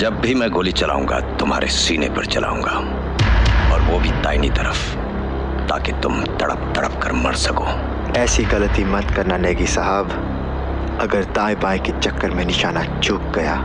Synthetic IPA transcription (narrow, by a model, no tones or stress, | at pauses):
d͡ʒɐbːʱimɛ̃ːɡoːlit͡ʃɐla̰ːũːŋɡa̰t̪ʊmɦaːɾʔesiːnepɐɾt͡ʃɐlʔa̰ːũːŋɡaː | ɔːɾʋoːbʱit̪aːinit̪ɐɾəf | t̪a̰ːket̪ʊmt̪ɐɽə̰pt̪ɐɽə̰pkɐɾmɐ̰ɽsɐkoː | ɛːsiɣɐlət̪imɐt̪kɐɾnanɛːɡisɐɦaːb | ɐɡəɾt̪aːjbaːikit͡ʃɐkːəɾmẽnɪʃaːnat͡ʃuːk̚ɡɐjaː